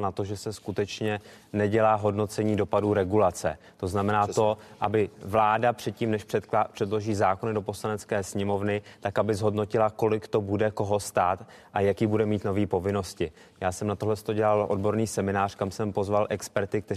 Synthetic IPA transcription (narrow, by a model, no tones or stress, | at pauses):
nat̪o̞ʒɛsɛskut̪ɛt͡ʃɲɛ | nɛɟɛlaːɦo̞dno̞t͡sɛɲiːdo̞paduːɾɛɡulat͡sɛ̰ | t̪o̞znamɛnaːt̪o̞ʔabɪvlaːdapr̥ɛt̪̚ciːmnɛʃɛpr̝̥ɛdlo̞ʒiːzaːko̞nɪdo̞po̞slanɛt͡skɛːsɲɛmo̞vnɪt̪akabɪzɦo̞dno̞cɪlako̞lɪkt̪o̞budɛko̞ɦo̞st̪aːt̪ | ʔajakiːbudɛmiːt̪no̞viːpo̞vɪno̞scɪ | jaːsɛmnat̪o̞ɦlɛst̪o̞ɟɛlalʔo̞̰dbo̞ɾniːsɛmɪnaːr̥kamsɛmpo̞zvalʔɛkspɛɾt̪ɪk̚t̪ɛ